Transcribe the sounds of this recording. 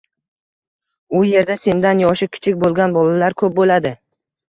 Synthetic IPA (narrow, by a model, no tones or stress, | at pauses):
ʊje̞ɾd̪ase̞nd̪anjɒʃɪkʲʰɪ̥t͡ʃʰɪk̚ʲbolˠɡʲanbɒlalaɾkʰɵp̚bolad̪ɪ